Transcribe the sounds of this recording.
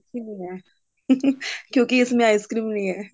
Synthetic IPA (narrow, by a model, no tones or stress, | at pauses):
tʰinɐĩɦɛː | kjõːkiɪsmẽaːɪskɾiːmnɐĩɦɛː